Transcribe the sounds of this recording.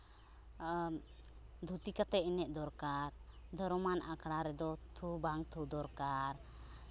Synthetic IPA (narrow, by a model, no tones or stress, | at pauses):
d̪ʱut̪ikat̪ɛʔinɛʔ̚d̪ɔɾkaɾ | d̪ʱɔɾɔmanʔakʰɽaɾɛd̪ɔt̪ʰubaŋt̪ʰud̪ɔɾkaɾ